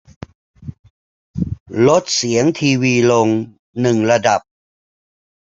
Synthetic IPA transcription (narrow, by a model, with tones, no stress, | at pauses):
lo˦˥t̪̚si˨˩˦əŋt̪ʰiː˧wiː˧lo˧ŋ | nɯ˨˩ŋɾa˧da˨˩p̚